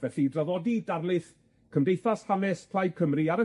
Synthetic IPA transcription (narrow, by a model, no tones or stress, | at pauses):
vɛɬidraðɔdidarlˠɨθ | kʰəmdejθashanɛspʰlˠaj̚kʰəmriaɾə